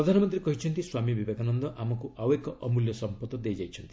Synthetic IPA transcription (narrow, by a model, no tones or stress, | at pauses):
ɾɔd̪ʱanɔmɔnt̪ɾiekɔɦit͡ʃʰɔnt̪iswamibibekanɔnd̪ɔʔamɔkuʔawekɔʔɔmuljɔsɔmpɔt̪ɔd̪ejd͡ʒajt͡ʃʰɔnt̪i̥